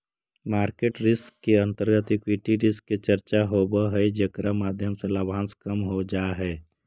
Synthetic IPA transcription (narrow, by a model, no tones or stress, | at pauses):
maːɾkeʈɾɪskːeə̃nt̪əɾɡət̪ikwiːʈiɾɪskːet͡ʃəɾt͡ʃaɦoːbəɦɛjd͡ʒekɾamaːd̪ʱjəmselabʱãːnskəmɦod͡ʒaːɦɛː